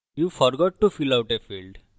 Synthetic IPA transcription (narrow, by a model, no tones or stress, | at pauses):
juːfɔɾɡɔʈːufilawʈefiːlɖ